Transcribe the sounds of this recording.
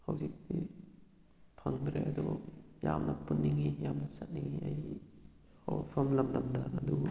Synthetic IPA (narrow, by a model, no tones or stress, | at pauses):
hawzik̚di | pʰɐŋbɾeɐd̪ɔjamnɐpunːiŋijamnɐsɐt̚niŋiaji | hɔ̰wpʰamlɐmd̪ɐmdanɐd̪u